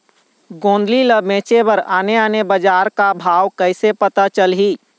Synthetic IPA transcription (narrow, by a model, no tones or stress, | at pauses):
ɡõːnd̪liləbẽːt͡ʃebəɾaːneaːnebəd͡ʒaːɾkabʱaːwkəɪsepət̪at͡ʃəlɦiː